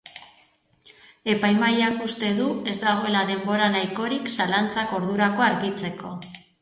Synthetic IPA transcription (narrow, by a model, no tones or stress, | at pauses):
e̞pajmajakust̪e̞ðue̞zd̪aɣ̞o̞e̞laðe̞mbo̞ɾanajko̞ɾiksalant͡sako̞ɾðuɾako̞aɾɣit͡se̞ko̞